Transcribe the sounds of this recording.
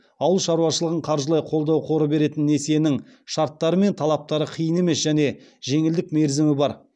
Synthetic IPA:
ɑwəlˠʃɑɾuɑʃəlˠəʁəɴqʰɑɾʒəlˠɑjqʰo̞lˠd̪ɑwqʰo̞ɾəbe̞ɾe̞t̪ɪnːese̞nɪŋ | ʃɑɾt̪ːɑɾəme̞nt̪ʰɑlˠɑp̚t̪ɑɾəqʰijəne̞me̞sʒæne̞ | ʒe̞ŋɪld̪ɪkme̞ɾzɪmɪbɑɾ

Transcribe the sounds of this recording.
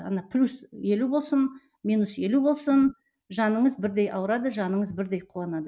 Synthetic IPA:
ɑ̰nɑpʰlʲusje̞lubo̞lˠsən | minuse̞lubo̞lˠsən | ʒɑnəɴəzbɪɾd̪e̞jʔɑwəɾɑd̪əʒɑnəɴəzbɪɾd̪e̞jqʰuɑnɑd̪ə

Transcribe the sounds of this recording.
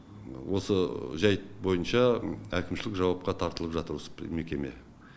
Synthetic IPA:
wo̞səʒɑjbo̞jənʃɑækʲɪmʃɪlɪkʒɑwɑp̚qɑt̪ʰɑɾt̪əlˠəpʒɑt̪əɾspme̞kʲe̞me̞̰

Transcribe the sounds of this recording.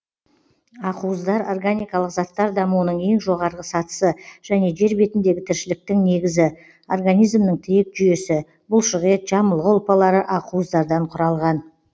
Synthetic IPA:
ɑquəzd̪ɑɾo̞rɡanijkɑlˠəqzɑt̪ːɑɾd̪ɑmuənəɴe̞ŋʒo̞ʁɑɾʁəsɑt̪ə̥səʒ̥æne̞ʒe̞ɾbe̞t̪ɪnd̪e̞ɡʲɪt̪ʰɪɾʃɪlɪk̚t̪ɪŋne̞ɡʲɪzɪ | o̞rɡanijzmnəŋt̪ʰɪjek̚ʒʏje̞sɪ | bʊlˠʃəʁet̪ʒ̥ɑməlˠʁəʊlˠpɑlˠɑɾəʔɑquəzd̪ɑɾd̪ɑɴqʰʊɾɑlˠʁɑn

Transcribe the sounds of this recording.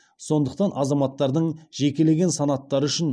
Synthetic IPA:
so̞nd̪əq̚t̪ɑnʔɑzɑmɑt̪ːɑɾd̪əɴʒe̞kʲe̞le̞ɡʲe̞nsɑnɑt̪ːɑɾəʏʃɪn

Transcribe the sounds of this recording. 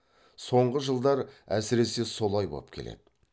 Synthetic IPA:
so̞ɴʁəʒəlˠd̪ɑɾæ̰sɪɾe̞se̞so̞lˠɑjbo̰əp̚kʲʰe̞le̞̰d̪ɪ

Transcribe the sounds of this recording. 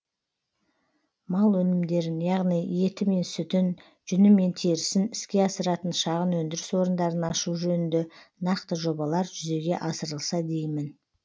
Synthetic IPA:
mɑlˠwɵnɪmd̪e̞ɾɪnjɑʁnije̞t̪ɪme̞nsʏt̪ɪn | ʒ̥ʏnɪme̞nt̪ʰeɾɪsɪnɪskʲe̞ɑsəɾɑt̪ənʃɑʁənwɵnd̪ɪɾɪswo̞ɾənd̪ɑɾənɑʃuʒɵnɪnd̪e̞nɑqt̪əʒo̞bɑlˠɑɾʒʏze̞ɡʲe̞ʔɑsəɾəlˠsɑd̪e̞jmɪn

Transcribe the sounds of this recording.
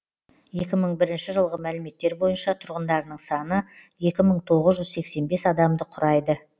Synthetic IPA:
je̞kʲɪməɴbɪɾɪnʃɪʒəlˠʁəmælɪme̞t̪ːe̞ɾbo̞jənʃɑt̪ʰʊɾʁənd̪ɑɾnəɴsɑnəje̞kʲɪməɴt̪ʰo̞ʁəzʒʏzse̞kse̞nbe̞sɑd̪ɑmd̪əqʰʊɾɑjd̪ə

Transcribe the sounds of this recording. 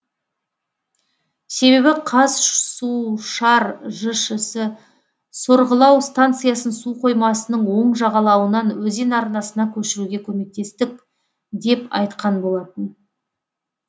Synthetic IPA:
se̞βe̞βɪqʰɑzsuʃɑɾʒəʃəsə | soɾʁəlˠɑwst̪ant̪sɨjasənsuqʰo̞jmɑsənəɴwo̞ɴʒɑʁɑlˠɑwənɑnwɵze̞nɑɾnɑsənɑkʲʰɵʃɪɾuɡʲe̞kʲʰɵme̞k̚t̪e̞st̪ɪk̚ | d̪e̞pɑ̰jt̪qɑnbo̞lˠɑt̪ən

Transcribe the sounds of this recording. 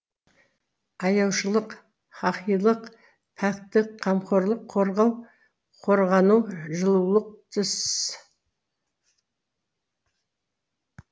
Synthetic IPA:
ɑjɑwʃəlˠəq | χɑqijlˠəq | t̪ʰakt̪ːɪqʰːɑmqo̞ɾlˠəqʰːoɾʁɑw | qʰo̞ɾʁɑnuwʒəlˠulˠəq̚t̪ʰɪs

